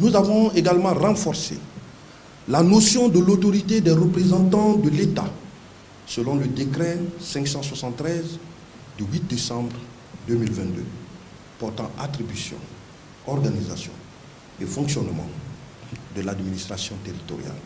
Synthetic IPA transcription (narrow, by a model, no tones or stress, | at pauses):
nuzavɔ̃eɡalmɑ̃ʁɑ̃fɔʁsḛ | lanosjɔ̃d̪əlot̪ɔʁit̪ed̪ɛʁəpχezɑ̃t̪ɑ̃d̪əlet̪a̰ | səlɔ̃ləd̪ekɾɛsɛ̃ŋksɑ̃swasɑ̃t̪ːχɛz | d̪ywit̪̚d̪esɑ̃bʁ | d̪ømilvɛ̃t̪d̪ø̰ | pɔʁt̪ɑ̃at̪ʁibysjɔ̰̃ | ɔʁɡaniza̰sjɔ̰̃ | efɔ̃ŋksjɔnmɑ̰̃ | d̪əlad̪minist̪χasjɔ̃t̪eʁit̪ɔ̰ʁja̰l